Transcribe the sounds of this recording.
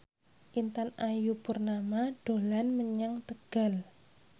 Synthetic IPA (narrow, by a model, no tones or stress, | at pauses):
ʔint̪anajupurnamaɖ̥o̤lanməɲaŋt̪əɡ̥al